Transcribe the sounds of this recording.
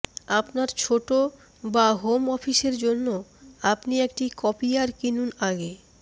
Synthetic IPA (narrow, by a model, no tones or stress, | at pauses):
apnaɾt͡ɕʰoʈo | baɦomɔfiʃeɾd͡ʑonːoapniek̚ʈikɔpiaɾkinunaɡe